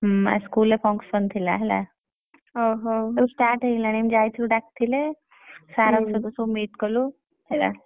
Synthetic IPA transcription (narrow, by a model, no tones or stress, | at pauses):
ɦa̰skulepɔ̃ŋksbənt̪ʰila̰ɦela̰ | ɦoɦoesʈaɾʈɦelanemd͡ʒajt̪ʰiluɖak̚t̪ʰile | saɾamsəksomiʈ̪kəlu | hela̰